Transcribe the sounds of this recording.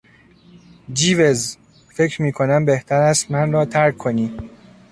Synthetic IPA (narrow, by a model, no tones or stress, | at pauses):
d͡ʒiːvez | fe̞cɾmiːkʰo̞næmbeht̪ʰæɾæst̪mænrɒːt̪ʰæɾkʰːoniː